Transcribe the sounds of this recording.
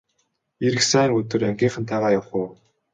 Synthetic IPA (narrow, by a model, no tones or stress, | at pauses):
eɾɘ̆ksæːŋɵt̪ɵ̆ræŋɡʲiːɴχə̆nt̪ʰaʁaːjawχʊː